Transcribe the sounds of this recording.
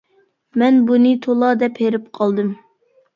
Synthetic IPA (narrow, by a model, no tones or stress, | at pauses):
mɛnbunɨt̪ʰolˠɑd̪ɛpheɾɪpqʰɑlˠd̪ɨm